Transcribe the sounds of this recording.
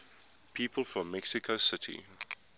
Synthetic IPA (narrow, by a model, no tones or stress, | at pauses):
pʰiːpʰəlˠfɹɔ̃mːɛksikʰosɪtʰḭ